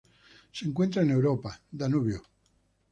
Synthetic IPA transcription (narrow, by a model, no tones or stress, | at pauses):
seeŋkwent̪ɾaenewɾopad̪anuβjo